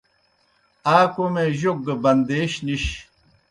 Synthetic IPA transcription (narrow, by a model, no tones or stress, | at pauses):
aːkomeʑoɡ̚ɡəbɐnd̪eːɕniɕ